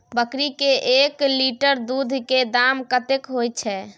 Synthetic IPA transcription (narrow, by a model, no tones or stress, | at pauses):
bəkɾikeʔekliʈəɾd̪ud̪ʱked̪amkət̪ekɦojt͡ʃʰɛ